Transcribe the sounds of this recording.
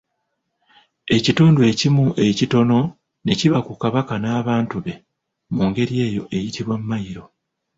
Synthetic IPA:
e̞cituːndue̞ːcimuʔe̞cito̞no̞ | ne̞ciβakukaβakanaːβaːntuβe̞ | muːŋɡe̞ɾie̞ːjo̞ʔe̞jitiβwamuːajiɾo̞

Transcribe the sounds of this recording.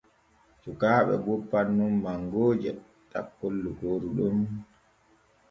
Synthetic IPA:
sukaːɓɛ̰bɔpːanːumːaŋɡoːd͡ʒɛ | ta̰kːolːukoːɾuɗum

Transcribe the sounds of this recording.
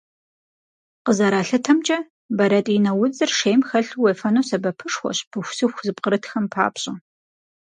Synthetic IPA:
qəzɐɾaːɬɨtʰɐmt͡ʃʼɐ | bɐɾɐtʼjɪnɐwʊd͡zɨrʂejmxɐɬuweːfɐnoːsɐbɐpʰɨʂxʷɔ̰ɕpʰɨxʷsɨxʷzɨpʼqəɾɨtʰxɐmpʰa̰ːpɕʼɐ

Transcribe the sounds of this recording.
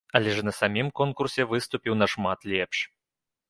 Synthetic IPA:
ɐlʲɛʐnɐsamʲimkɔnkursʲɛvɨst̪upʲiwnɐʂmat̪lʲɛpʂ

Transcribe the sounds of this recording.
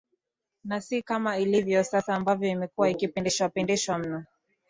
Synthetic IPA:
nasikamailivjɔsasaːmbavjɔimɛkuwaikipɛndɛʃwapɛndɛʃwam̩na

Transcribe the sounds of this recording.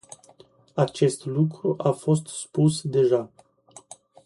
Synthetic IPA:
at͡ʃe̞st̪lukɾuʔafo̞st̪spusd̪e̞ʒa

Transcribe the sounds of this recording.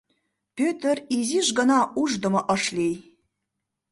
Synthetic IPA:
pʲøt̪əriziʒɡə̆nɑʔuʒd̪ə̆mɤ̆ʔə̆ʃlej

